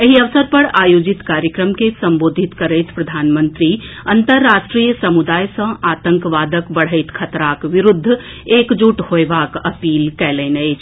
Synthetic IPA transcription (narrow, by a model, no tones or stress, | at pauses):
jəɦiɐʋsəɾpɐɽaːjoːd͡ʒit̪kaːɾjəkɾəmkesɐ̃mboːd̪ʱit̪kɐɾəɪt̪pɾɐd̪ʱaːnmə̃nt̪ɾiɐ̃nt̪əɾːaːʃʈɾijəsɐmud̪aːjsə̃aːt̪ə̃ŋkʋaːd̪əkbɐɽ̤əɪt̪kʰɐt̪ɾaːkʋɪɾʊd̪ʱː | eːkd͡ʒuʈhoeʋaːkɐpiːlkɛːlenəjt͡ʃ